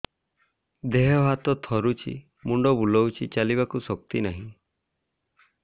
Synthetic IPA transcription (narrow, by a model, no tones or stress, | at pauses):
d̪eɦɔɦat̪ɔt̪ʰɔɾut͡ʃʰḭ | muɳɖɔbulɔwt͡ʃʰit͡ʃaliβakusɔkt̪inaɦĩ